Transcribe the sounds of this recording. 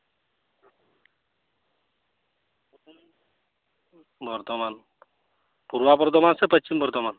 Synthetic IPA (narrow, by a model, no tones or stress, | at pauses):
bʱɔɾt̪ɔman | puɾʋapɔɾt̪ɔmansepət͡ɕːt͡ʃimbʱɔɾt̪ɔman